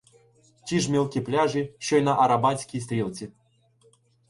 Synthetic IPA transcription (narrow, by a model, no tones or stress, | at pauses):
t͡ɕiʐmʲelˠkʲiplʲaʐɨɕojnaʔːɾabat͡sʲkʲijs̬t̪ɾʲelʲˠt͡sʲi